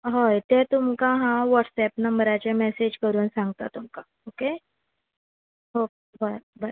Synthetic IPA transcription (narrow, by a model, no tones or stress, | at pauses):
ɦəjt̪ɛ̃t̪umkãɦãʋəʈsɛpnəmbɾat͡ɕemɛsed͡ʑkəɾuːnsãŋɡt̪at̪ːumka | oke | ɦo | baba